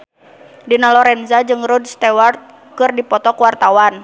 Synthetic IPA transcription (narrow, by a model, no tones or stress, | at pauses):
dinalɔɾɛnzad͡ʒɨŋɾɔdst̪ɛwart̪̚ | kɨrdipɔt̪ɔkwart̪awan